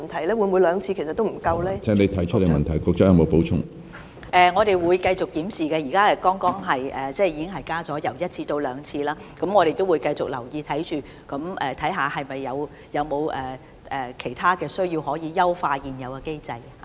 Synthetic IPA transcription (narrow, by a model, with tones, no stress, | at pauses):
nt̪ʰɐ˨˩jlɛː˥wu˨˧nmuː˨˧jlœː˨˧ŋt͡sʰi˧kʰe˨˩sɐ˨t̪ːo˥m̩˨˩kɐ˧wlɛː˦˥t͡sɛː˨˥ŋle˨˧jt̪ʰɐ˨˥jt͡ʃʰə˥le˨˩jmɐ˨˩nt̪ʰɐ˨˩jkɔː˧k̚t͡sɐ˦˥jɐ˨˧mo˨˧wpo˨˥wt͡ʃʰʊ̰˥ŋ | ʔɛː˨ŋɔː˨˧t̪e˨˩jwuː˨˧jkɐ˧jt͡sʊ˨k̚t̪iː˨˥msiː˨kɛː˧jiː˨˩kaː˥ɛ˧kɔː˥ŋkɔː˥ŋɦɐ˨jɛː˨˩t͡sɛː˥˩jiː˧kɪ˥ŋɦɐ˨jkaː˥t͡sɔː˨˥jɐ˨˩wjɐ˥t̚t͡sʰiː˧t̪o˧wlœː˨˧ŋt͡sʰiː˧laː˥kɐ˨˥mŋɔː˨˧ɾe˨˩jt̪o˥wuː˨˧jkɐ˧jt͡sʊ˨k̚lɐ˨˩wjiː˧t̪ʰɐ˨˥jt͡ʃyː˨˩ | kɐ˨˥mɛː˨t̪ʰɐ˨˥jɦaː˨hɐ˨jmɐ˨jːɐ˨˧w | jɐ˨˧wmo˨˧wʔɛː˨˩ | ʔɛː˨˩kʰe˨˩jt̪ʰaː˥kɛː˧sɵ˥ɥji˧whɔː˨˥jiː˨˧jɐ˥wfaː˧jiː˨˩njɐ˨˧wkɐ˧ke˥jt͡sɐ˧jha˨